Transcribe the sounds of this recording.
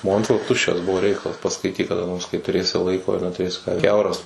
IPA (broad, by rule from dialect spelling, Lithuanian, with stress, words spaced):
ˈmoːnʲtʲʋʲɪlˠɐ ˈtʊʃʲt͡ʃʲɛs ˈbʊʋoː ˈrʲɛɪkɐlˠɐs pɐskɐɪˈtʲiːk kɐˈdɐ noːrs kɐɪ tʊˈrʲeːsʲɪ ˈlˠɐɪkoː ɪr nʲɛtʊˈrʲeːsʲɪ ˈkʲɛʊrɐs